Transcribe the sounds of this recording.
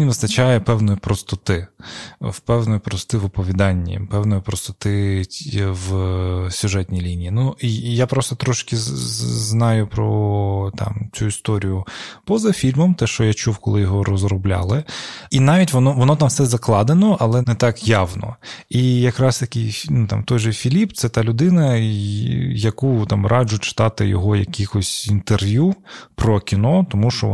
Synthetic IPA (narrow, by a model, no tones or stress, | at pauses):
inʲʋɪst̪ɐt͡ʃɑjɛpɛwnɔjipɾɔst̪ɔt̪ɪ | wpɛwnɔjipɾɔst̪ɪʋɔpɔʋʲid̪ɑnʲːḭpɛwnɔjipɾɔst̪ɔt̪ɪ | ʋsʲʊʒɛtʲnʲijlʲinʲijːnuijapɾɔst̪ɔt̪ɾɔʃkʲɪznɑjʊpɾɔt̪ɑ̰mt͡sʲuist̪ɔɾʲijʊpɔzɐfʲilʲmɔmt̪ɛʃt͡ʃɔjat͡ʃuwkɔlˠɪjɔɦɔɾɔzɾɔblʲa̰lˠɪinɑʋʲitʲʋɔnɔʋɔnɔt̪ɑmfsɛzɐklˠɑd̪enɔʔɐlˠɛnɛt̪ɑkjɑwnɔ̰ijɐkɾɑst̪ɐkʲijfʲnut̪ɑ̰mt̪ɔjʒɛfʲilʲipt̪sɛt̪ɑlʲʊd̪ɪnɐ | jɐkut̪ɑmɾʔɑd͡ʒʊt͡ʃɪ̥t̪ɑt̪ɪ̰jɔ̰ɦɔjɐkʲixɔsʲint̪erʋʲjupɾɔkʲinɔt̪ɔmuʃt͡ʃɔ̰